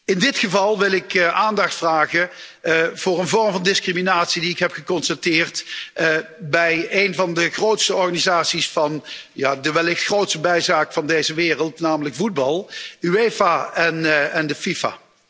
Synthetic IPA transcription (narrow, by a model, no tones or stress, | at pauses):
ɪndɪtχəvɑlˠʋɪlˠɪkʔaːndɑxtfraːɣə | v̥ʊːrənvɔɹmvɑndɪskriminaːtsidiɪkɦɛpχəkɔnstatɪːrt | bɛjejnvɑndəχrowtstəɔɹɣanizaːtsisfɑnjaːdəʋɛlɪxtχrowtstəbɛjzaːkvɑndejzəʋɪːrəlˠtnaːmələkfud̚bɑlˠyejvaɛnɛndəfifa̰ː